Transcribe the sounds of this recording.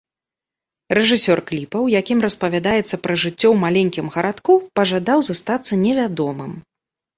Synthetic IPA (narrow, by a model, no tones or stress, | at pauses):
rɛʐɨsʲɔrklʲipɐwjakʲimrɐspɐvʲad̪ajɛt̪sːɐpɾɐʐɨt͡sʲːɔwmalʲɛnʲkʲimɣɐɾat̪kupɐʐad̪awzast̪at̪sːɐnʲɛvʲad̪ɔmɨm